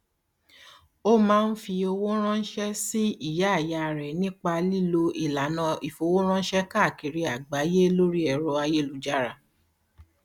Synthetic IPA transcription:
o˦mãː˦˧˦n̩˦fi˧o˧wo˦ɾ̃ã˦n̩˦ʃɛ˦si˦i˦˨ja˨˦a˦˨ja˧˨ɾɛ˨nĩ˦k͡pa˧li˦lo˧i˨la˨nã˧i˨fo˧wo˦ɾ̃ã˦n̩˦ʃɛ˦ka˦˨ki˨ɾi˧˦a˨ɡ͡ba˨˦je˦lo˦ɾi˦ɛ˧˨ɾɔ˧a˧je˦lu˦d͡ʒa˦ɾa˧

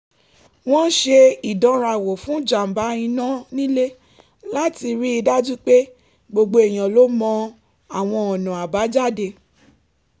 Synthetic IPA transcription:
w̃ɔ̃˦ʃe˧i˨dɔ̃˨˦ɾa˧˨wo˨fũ˨˦d͡ʒa˨m̩˨ba˨˦ĩ˧nã˦nĩ˦le˦ | la˦ti˧ɾi˦i˧da˦d͡ʒu˦k͡pe˦ | ɡ͡bo˧ɡ͡bo˧e˨j̃ã˨lo˨˦mɔ̃˧ | a˨w̃ɔ̃˧ɔ˨nã˨a˨ba˨˦d͡ʒa˦˨de˧

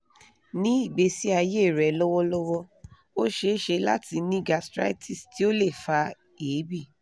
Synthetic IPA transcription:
nĩ˦i˦˨ɡ͡be˧si˦a˧je˦˨ɾɛ˨lɔ˦wɔ˦lɔ˦wɔ˦ | o˦ʃe˧˦ʃe˧la̰˦ti˧nĩ˦ɡa˨˧stɾa̰˦i˦tʰi˦˨sti˦o˦le˦˨fa˧ | eː˨˦bi˦˨

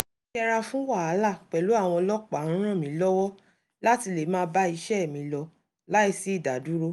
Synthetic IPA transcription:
ʃɛ˦˧ɾa˧fũ˦wa˦˨a˨˦la˦˨k͡pɛ˨lu˨˦a˦˨w̃ɔ̃˧lɔ˦k͡pã˨˦ɾ̃ã˦˨mĩ˨˦lɔ˦wɔ˦ | la˦ti˧le˨mãː˦ba˦i˧ʃɛ˦˨mĩ˧lɔ˧ | la˨˦i˦˨si˨˦i˦˨da˨du˨˦ɾo˦

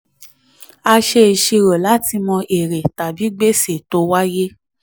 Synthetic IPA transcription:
a˧ʃe˧˨ʃi˧ɾo˨la˨˦ti˧mɔ̃˧ʔe˨ɾe˨ta˨bi˨˦ɡ͡be˦se˨to˧˦wa˦je˦

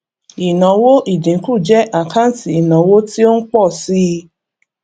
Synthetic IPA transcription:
i˨nã˨˦wo˦ʔi˦˨d͡ʒĩ˨˦ku˦˨d͡ʒɛ˦ʔa˨kʰã˦n̩˦ti˨i˨nã˨˦wo˦ti˦o˦n̩˦k͡pɔ˦˨si˦˧

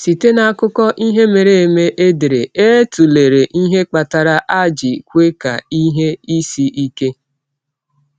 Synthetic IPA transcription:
si˨te˦na˨˦˨kʊ˦kɔ˦ʔi˦ɦe˦me˨ɾe˨e˨me˦ʔe˦de˨ɾe˨e˦tu˨le˨ɾe˨ʔi˦ɦe˦k͡pa˨ta˨ɾa˦ʔa˦d͡ʒi˨kʷe˦ka̰˨i˦ɦe˦i˦si˦ʔi˦ke˦

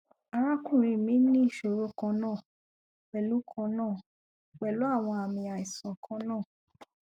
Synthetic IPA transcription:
a˧ɾ̃ã˦kũ˦˨ɾ̃ĩ˨˧˨mĩ˨˦nĩ˦ʃo˨ɾo˦kã˧nãː˦˨ | k͡pɛ˨lu˨˦kʰɔ̃˧nãː˦˨ | k͡pɛ˨lo˨˦a˦˨w̃ɔ̃˧a˨mĩ˧a˨i˨sɔ̃˨kʰɔ̃˧˦nãː˦˨

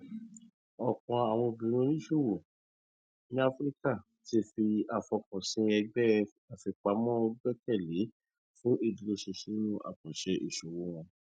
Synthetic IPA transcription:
ɔ˨k͡pɔ̃˨˧a˨w̃ɔ̃˧o˧bĩ˨˦ɾ̃ũ˦nĩ˦ʃo˦˨wo˨ | nĩ˦a˦fɾi˦ka˦˨ | ti˧˦fi˧a˨fɔ˧kɔ̃˨sĩ˨˧˦ɛ˧ɡ͡bɛ˦ | a˨fi˧k͡pa˧˦mɔ̃˦o˧ɡ͡bɛ˦kɛ˦˨le˨˦ | fũ˦ʔe˦˨di˨˧le˧ʃe˧ʃĩ˧˦nũ˦ʔa̰˨k͡pɔ̃˨ʃɛ˧ʔe˨ʃo˨wo˦w̃ɔ̃˧

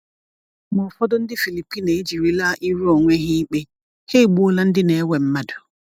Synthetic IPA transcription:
mɔ˨fɔ˦dɔ˦n̩˦dɪ˦fi˨li˨pi˦ne˨i˦d͡ʒi˨ɾi˦la˦ʔi˦ɾu˦o˨ŋʷe˦ɦɪ˦k͡pe˦ | he˦˨ɡ͡bu˦la˦n̩˦dɪ˦ne˨˦we˨m̩˦ma˦dʊ̥˨

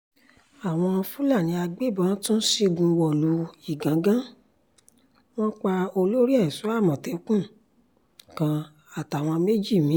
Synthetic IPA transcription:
a˨w̃ɔ̃˧fu˦la˦˨nĩ˨˧˦a˧ɡ͡be˦˨bã˧˦tũ˦n̩˦si˦ɡũ˧wɔ˨lu˨˦i˦˨ɡã˨˦ɡã˦ | w̃ɔ̃˦k͡pa˧o˧lo˦ɾi˦ɛ˦˨i˨su˨˦a˦˨mɔ̃˨te˨˦kũ˦˨ | kã˧ | a˨ta˨w̃ɔ̃˧me˦d͡ʒi˦˨mĩ˨˦

